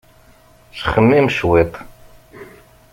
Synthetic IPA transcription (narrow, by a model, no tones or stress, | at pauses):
sχəmːimʃwit̪ˤ